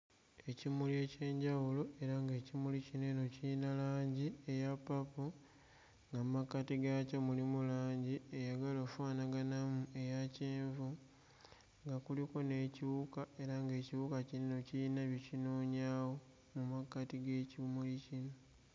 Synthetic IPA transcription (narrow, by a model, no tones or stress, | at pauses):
e̞cimulie̞ːce̞ːɲɟawulo̞ʔe̞ɾaŋɡe̞ːcimulicineno̞ciinalaːɲɟie̞japːapu | ŋɡammakːatiɡacamulimulaːɲɟie̞jaɡalofaːnaɡanamue̞jaceːɱvu | ŋɡakuliko̞ne̞ciβukae̞ɾaŋɡe̞ːciβukacinino̞ciinaβjicino̞ːɲawo̞ | mumakːatiɡe̞cimulicino̞